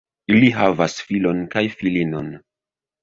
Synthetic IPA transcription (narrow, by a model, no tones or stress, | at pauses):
iliɦavasfilo̞nkajfilino̞̰n